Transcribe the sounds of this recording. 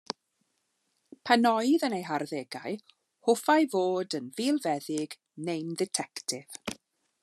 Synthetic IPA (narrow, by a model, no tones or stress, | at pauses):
pʰanɔɨðənejɦarðeːɡaɨ | hʊfajvoːdənviːlˠvɛðɪɡ | nejndɛtʰɛktʰɪv̥